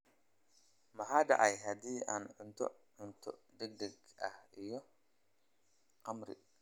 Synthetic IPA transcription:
mɐħaːd̪ɑ̰ʕɑjɦɐd̪iːaːnʕʊnt̪ʰɔ̰ʕʊnt̪ʰɔ̰d̪ɛɡ̚d̪ɐɡʔɐ̰hijɔ | qɑmɾɪ̰

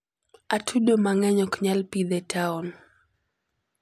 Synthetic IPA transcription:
atʰuɗomaŋɛɲɔkɲalpid̪ɛtaɔn

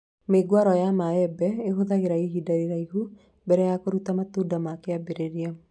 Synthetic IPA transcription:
meɡwaɾɔjamaɛbɛeɦoðaɣeɾaiɦidaɾeɾaiɦu | bɛɾɛjakoɾutamatuːdamakeabeɾeɾia

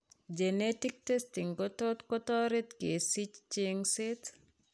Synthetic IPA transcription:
d͡ʒenetik̚testiŋkɔtɔt̪kɔtɔɾet̪kesit͡ʃt͡ʃiŋsɪt

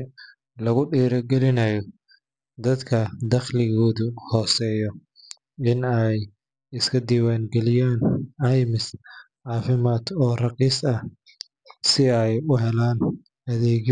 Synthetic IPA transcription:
lɐɣʊɖiːɾɐɡɛlɪnɐjɔ | d̪ɐd̪kʰɐd̪ɐqlɪɣɔːðʊhɔːsɛːjɔ | ɪnɛj | ɪskʰɐd̪iːwaːŋɡɛlɪjaːnɐjmɪs | ʕaːfɪmaːd̪ɔːrɑqiːsɐ | sɪɛjʊɦɛlaːn | ɐðɛːɣ

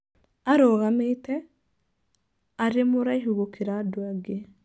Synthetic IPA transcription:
aɾoːɣameitɛ | aɾemoɾaiɦuɣokeɾadwaɡe

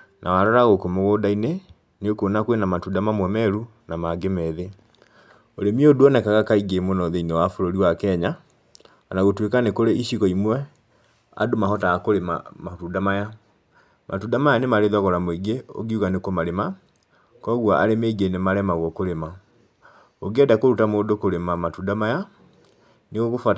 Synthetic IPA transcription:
nawaɾɔɾaɣokomoɣoːdaine | nokonakwenamatudamamwɛmɛɾu | namaɡemɛðe | oɾemioduɔnɛkaɣakaiɡemonɔðeinewafoɾoɾiwakɛɲa | anaɣotwekanekoɾeʔiɕiɣɔimwɛ | a̰domaɦɔtaakoɾema̰matudamaja | mʔa̰tudamajanemaɾeðwaɣɔɾamweiɡeo̰ɡiuɣanekomaɾema | kɔɣwaʔaɾemeiɡenemaɾɛmaɣɔkoɾema | oɡɛdakoɾutamoːdokoɾemamatudamaja | neɣoɣofa

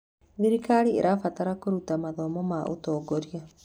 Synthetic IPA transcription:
βiɾikaɾiḛɾʔafataɾakoɾutamaðɔmɔmaʔo̰tɔːɡɔɾia

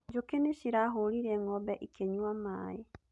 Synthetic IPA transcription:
d͡ʒokeneʃiɾaɦoɾiɾɛŋɔbɛʔikʰeɲwamaːe

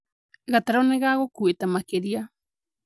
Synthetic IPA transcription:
ɡat̪aɾoneɣaɣokuet̪amakeɾia

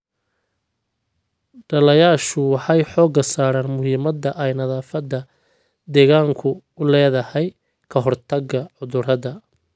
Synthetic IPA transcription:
ɖɐlɐjaːʃʊwɑħɑjħɔːɡɐsaːɾaːnmʊɦiːmɐd̪ɐʔɛjnɐðaːfɐd̪ɐ | d̪ɛːɣaːŋkʰʊ | ʊlɛːðɐhɛj | kʰɐɦɔrt̪ʰɐɡɐʕʊðʊrɐðɐ

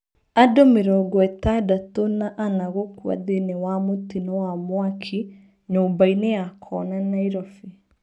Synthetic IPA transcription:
adomeɾɔɡɔɛtadatonaʔanaɣokwa̰ðenewamotinɔwamwakʰi | ɲoːmbainejakʰɔnanaiɾɔfe

